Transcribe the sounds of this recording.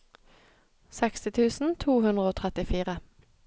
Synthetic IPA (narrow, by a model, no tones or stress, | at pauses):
sɛkst̪ɪt̪ʰʉːsn̩t̪ʰuːhʉnd̪ʁəoːt̪ʰʁɛt̪ɪfiːʁə